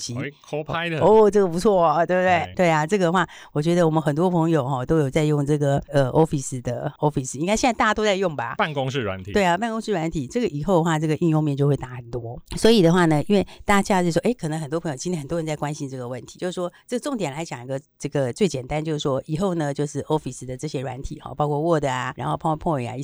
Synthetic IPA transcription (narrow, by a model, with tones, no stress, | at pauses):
t͡ɕi˨˥kʰpʰa˥ɪɔ˥ʈ͡ʂɤ˥˩ɡə˩pu˧˥t͡sʰwɔ˥˩˨t̪we˥˩bt̪we˥˩ɪt̪we˥˩ɪa˨˩ʈ͡ʂɤ˥˩ɡə˨ə˧xwa˥˩ | wɔ˨˩t͡ɕɥɛ˧˥d̪ə˧˨wɔ˨˩mə˧˦nxə˨˩nt̪̬wɔ˥pʰɤ˧˥ŋjo˨˩ʊxɔ˥˧t̪o˥ʊjo˨˩t͡sa˥˧ɪjʊ˥˧ŋʈ͡ʂɤ˥˩ɡə˩ə˧ʔɔ˥fi˧˩s̩˧d̪ə˩ɔ˥fi˧˩s̩˨˩i˥ŋka˥ɕɛ˥˧˥a˥˧t̪a˥˧˩t̪wɔ˥t͡sa˥˧ɪjʊ˥˩ŋba̰˩pa˥˨nkʊ˥ŋʂɻ̩˥˩ɻwa̰˧˦nt̪ʰi˨we˥˩ɪa˨˩pa˥˩nkʊ˥ŋʂ̩˥˧ɻwa˧˥nt̪ʰi˨˩˦ʈ͡ʂɤ˥˩ɡə˩ʔi˨˩xo˥˩ʊdə˨˧xwa˥˩ʈ͡ʂɤ˥˩ɡə˩ʔy˥˧ŋjʊ˥˧ŋmjɛ˥˧t͡ɕjo˥˧ʊwe˥˧ɪt̪a˥˩˥t̪wɔ˥swɔ˧˥i˨˩d̪ə˩xwa˥˩nə˩i˥nwe˥˩ɪt̪a˥˧t͡ɕja˥˧˥ʂwɔ˥ʔe˥˩ɪkʰə˨˩nə˧˥ŋxə˨˩nt̪wɔ˥pʰɤ˧˥jo˨˩t͡ɕi˥njxə˨˩t̪ɔ˥ə˧˦nt͡sa˥˩kwa˥nɕi˥nʈ͡ʂɤ˥˩ɡə˩wə˥˩nt̪ʰi˧˥t͡ɕjo˥˧ʊʂ̩˥˩ʂwɔ˥ʈ͡ʂɤ˥˩ɡə˩ʈ͡ʂʊ˥˩ŋt̪jɛ˨˩nla˧˥ɪt͡ɕjɑ˨˩ŋi˧˥ɡə˧ʈ͡ʂɤ˥˩ɡə˩t͡swe˥˩ɪt͡ɕjɛ˨˩nt̪a˥nt͡ɕjo˥˧ʊʂɻ̩˥˩ʂwɔ˥ʔi˨˩xo˥˩ʊnə˨t͡ɕjo˥˧ʊʂɻ̩˥˩ʔo˥fi˨˩s̩˧˩d̪ə˨ʈ͡ʂɤ˥˩ɕjɛ˧˥ɻwa̰˧˥nt̪ʰi˨˩˦xɔ̰˧˩pɑ˥ʊkʰɔ˥˧wɔ˥˩d̪ə˩a˩ɻa˧˥nxo˥˧ʊpʰpʰɔ˥˧i˨˩a̰˧i˥˩